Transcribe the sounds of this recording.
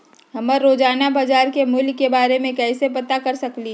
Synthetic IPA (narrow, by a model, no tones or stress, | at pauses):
ɦɐməɾɾoːd͡ʒaːnabad͡ʒaːɾkemʊlkebaːɾemẽkɛːsepɐt̪akɐɾsɐkli